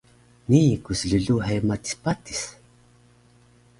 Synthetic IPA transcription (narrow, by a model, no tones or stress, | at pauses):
nikusɮəɮuħemat̪i̥spat̪i̥s